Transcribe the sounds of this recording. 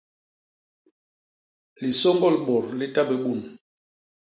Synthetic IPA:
li˨sɔ˦ŋɡɔ˦lɓɔ˨ɾli˦ta˦bɛ˨ɓu˦˨n˨

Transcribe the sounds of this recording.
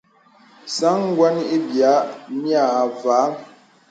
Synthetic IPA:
sa˨˦ŋ˦ɡwa˦ni˦ʔi˦bja˨˦ʔmja˦˨va˨˦

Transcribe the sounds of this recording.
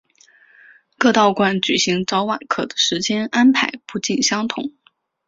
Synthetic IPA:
kɤ˥˧t̪ɑ˥˩ʊkwa˥˩nt͡ɕy˨˩ɕi˧˥ŋʈ͡ʂɑ˧˥ʊwa̰˨˩nkʰɤ̰˨˩d̪ə˦ʂɻ̩˧˥t͡ɕjɛ˥na˥npʰa˧˥ɪpu˥˧t͡ɕi˥˩nɕjɑ˥ŋt̪ʰʊ̰˨˩˦ŋ

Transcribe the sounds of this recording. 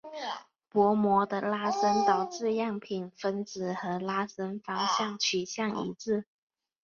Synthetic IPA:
pwɔ˧˥mwɔ˧˥d̪ə˧la˥sə˥nt̪ɑ˨˩ʊʈ͡ʂɻ̩˥˧jɑ˥˩ŋpʰi˨˩nfə˥nt͡sɹ̩˨˩xɤ˧˥la˥sə˥nfɑ˥ŋɕjɑ˥˩ŋt͡ɕʰy˨˩ɕjɑ˥˩ŋḭ˧˥t͡sɹ̩˥˩

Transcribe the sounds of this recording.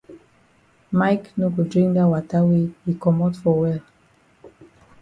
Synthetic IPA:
maɪkno˦ɡo˨dɹĩ˦ŋkdawata˦wehi˨kɔ˨mɔtfɔ˨wɛl

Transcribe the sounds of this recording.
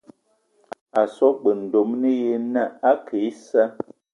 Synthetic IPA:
a˨sɔ˦ɡ͡bə˨n̩˨do˨mnə˦je˦nə˦a˦kʰe˨˦sə˦

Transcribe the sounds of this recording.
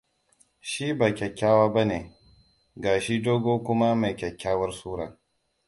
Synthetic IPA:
ʃi˦baː˨kʲɛ˨kʲːaː˦waː˦ba˦neː˨ | ɡaː˨ʃi˦doː˦ɡoː˦kʷʊ˦ma˦ma˨jkʲɛ˨kʲːaː˦wɐ˦rsuː˦ɽɐ̰˨ŋ

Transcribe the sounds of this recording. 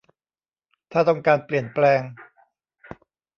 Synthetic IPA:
t̪ʰaː˥˩t̪ɔ˥˩ŋkaː˧npli˨˩ənplɛː˧ŋ

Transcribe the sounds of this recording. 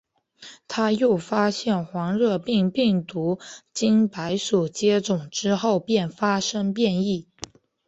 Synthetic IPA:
t̪ʰa˥jo˥˩ʊfa˥ɕjɛ˥˩nxwɑ˧˥ŋɻɤ˥˧pi˥˧ŋpi˥˩ŋt̪u˧˥t͡ɕi˥npa˧˥ɪʂu˨˩t͡ɕjɛ˥ʈ͡ʂʊ˨˩ŋʈ͡ʂɻ̩˥xo˥˧ʊpjɛ˥˩nfa˥ʂɤ˥ŋpjɛ˥˧ni˥˩

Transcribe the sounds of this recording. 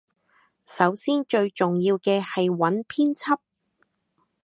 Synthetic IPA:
sɐ˨˥wsiː˥nt͡ʃɵ˧ɥt͡ʃʊ˨ŋjiː˧wkɛː˧hɐ˨jwɐ˨˥npʰiː˥nt͡sʰɐ˥p̚

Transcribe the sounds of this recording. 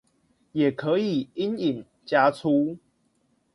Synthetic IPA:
jɛ˨˩kʰə˨˦i˨˩i˦ni˨˩ŋ | t͡ɕja˦t͡sʰu˦

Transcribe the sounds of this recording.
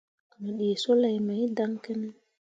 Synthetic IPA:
a˨no˨ɗi˨so˦la˨jma˨jda˦ŋkɛ˦nɛ˦

